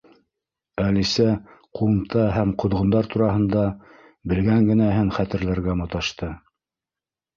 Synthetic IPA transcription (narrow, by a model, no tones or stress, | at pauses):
ælisæquɤ̆mt̪ɑɦæmqŏðʁŏnd̪ɑɾt̪uɾɑɦɤ̆nd̪ɑ | bɘ̆lɡæŋɡɘ̆næɦɘnχæt̪ɘ̆ɾlæɾɡæmŏt̪ɑʃt̪ɤ